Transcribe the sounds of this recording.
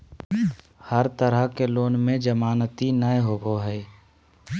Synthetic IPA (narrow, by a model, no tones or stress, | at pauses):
həɾt̪əɾəɦkeloːnmẽd͡ʒəmaːnət̪inəjɦoːboɦɛː